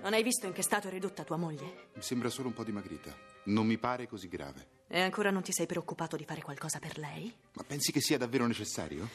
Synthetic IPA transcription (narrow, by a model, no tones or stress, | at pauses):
nonajvist̪oiŋk̟est̪aːt̪oɛrːid̪ut̪ːat̪uːamoʎːemisembɾasoːloumpɔd̪ːimaɡɾḭːt̪anomːipaːɾekoziɡɾa̰ːvḛ | eaŋkoːɾanont̪isɛjpɾeokːupaːt̪od̪ifaːɾekwalkɔːzaperlɛj | ma̰pːɛnsikesːiːad̪avːeːɾonet͡ʃesːa̰ːɾjo